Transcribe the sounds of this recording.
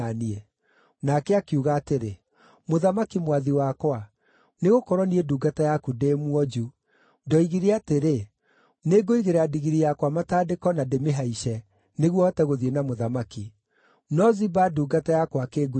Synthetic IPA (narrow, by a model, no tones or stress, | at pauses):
aniɛ | nakeakjuɣaːteɾe | moðamakimwaðiwakwa | neɣokɔɾɔnieduːɡatajakudemwɔd͡ʒu | dɔiɣiɾeateɾe | neɡoiɣeɾadiɣiɾijakwamataːdekɔnademeɦaiʃɛ | neɣwɔɔtɛɣoðienamoðamaki | nɔzibaduːɡatajakwakeːɡu